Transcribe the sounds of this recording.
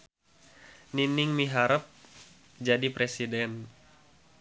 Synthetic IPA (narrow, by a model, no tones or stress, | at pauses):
ninɪŋmiɦaɾəp̚ | d͡ʒadipɾesidɛn